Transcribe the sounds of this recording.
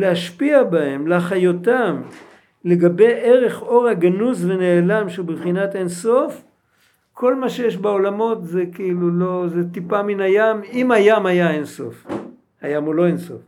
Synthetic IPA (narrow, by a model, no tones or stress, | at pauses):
leaʃpiabahe̞mlaχajotam | le̞ɡabe̞jʔeʁe̞χo̞ʁhaɡanusve̞ne̞ːlamʃebevχinatenso̞f | kʰolmaʃejeʃbeo̞lamo̞t̪zekiilulo̞zet̪ipaminajamimajamhajaenso̞̰f | hajamolo̞enso̞̰f